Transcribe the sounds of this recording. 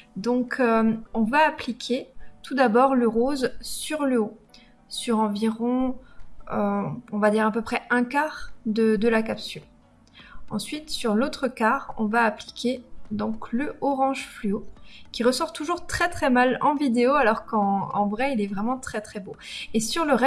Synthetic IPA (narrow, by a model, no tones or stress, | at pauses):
d̪ɔ̃kʰøɔ̃vaːplikʲʰet̪ud̪abɔʁləʁozsyʁləo | syʁɑ̃viʁɔ̃ | øɔ̃vad̪iʁapøpχɛɛ̃kaʁd̪əd̪əlakapsyl | ɑ̃sɥit̪syʁlot̪χəkaʁɔ̰̃vaːplikʲʰed̪ɔ̃kləɔʁɑ̃ʒflyokʲiʁəsɔʁt̪uʒuʁt̪χɛt̪χɛmalɑ̃vid̪eoalɔʁkɑ̃ɑ̃vʁɛilɛvʁɛmɑ̃t̪χɛt̪χɛboesyʁləʁɛ